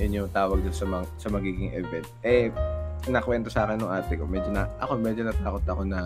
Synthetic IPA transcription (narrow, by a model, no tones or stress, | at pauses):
ʊnjʊŋt̪aːwɐɡ̚d̪onsɐmɐŋsɐmɐɡiːɡɪŋʔɛvɛnt̪̚ʔɛ | nɐkwɛnt̪o̞saːkɪnːʊŋʔaːt̪ɛko̞mɛd͡ʒonɐʔɐ̰ko̞mɛd͡ʒonɐt̪aːko̞t̪ːɐko̞nɐ